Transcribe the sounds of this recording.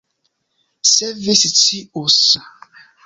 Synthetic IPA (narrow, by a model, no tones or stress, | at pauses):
sɛvisitʰiosa